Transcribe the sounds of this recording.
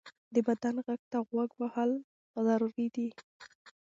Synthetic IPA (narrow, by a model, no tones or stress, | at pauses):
d̪əbad̪anɣaɡ̚t̪aɣwaɡwahal | zaɾuɾid̪i